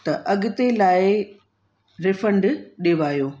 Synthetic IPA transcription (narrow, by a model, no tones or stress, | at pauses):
t̪ɐʔɐɠɪt̪elaːɪ | ɾɪfə̃ɳɖɗeːʋaːjoː